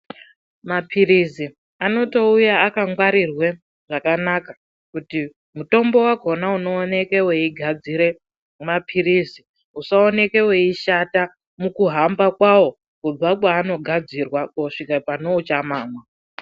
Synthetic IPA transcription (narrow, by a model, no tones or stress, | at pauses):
mapʰirizi | ano̞to̞ujaːkaŋɡwaɾirwe | ʐakanaka | kuti | muto̞mbo̞waɡʱo̞nauno̞ːne̞ke̞we̞iɡʱad͡ziɾe̞ | mapʰiriːzi | usaone̞ke̞we̞iʃata | mukuɦambakwawo̞ | kub͡vakwaːno̞ɡʱad͡zirwakoʂikapano̞ut͡ʃamaːmwa